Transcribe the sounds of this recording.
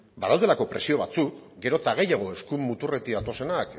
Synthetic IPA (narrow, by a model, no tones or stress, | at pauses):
baðald̪elako̞pɾe̞sio̞β̞at͡sukɡe̞ɾo̞t̪aɣ̞e̞jaɣ̞o̞e̞skumːut̪ure̞t̪iðat̪o̞se̞nak